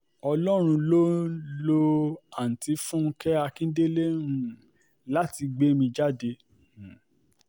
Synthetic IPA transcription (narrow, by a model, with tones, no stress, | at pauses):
ɔ˧lɔ˦ɾ̃ũ˧lo˦lo˧a˨n̩˨ti˨˦fũ˦kɛ˦a˧kĩ˦de˦le˦ɾ̃ũ˦ | la˦ti˧ɡ͡be˦mĩ˧d͡ʒa˦de˧˨